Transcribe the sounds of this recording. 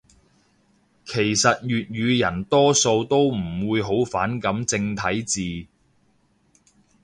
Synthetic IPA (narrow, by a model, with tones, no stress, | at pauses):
kʰe˨˩jsɐ˨t̚jyː˨t̚ɥyː˨˧jɐ˨˩nt̪ɔː˥so˧wt̪o˥wm̩˨˩wuː˨˧jɦo˨˥wfaː˨˥nkɐ˨˥mt͡sɪ˧ŋt̪ʰɐ˨˥jt͡siː˨